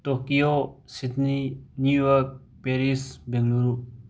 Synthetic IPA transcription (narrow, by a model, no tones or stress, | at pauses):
t̪okiosit̪ninjujɔk̚ | peɾisbeŋluɾu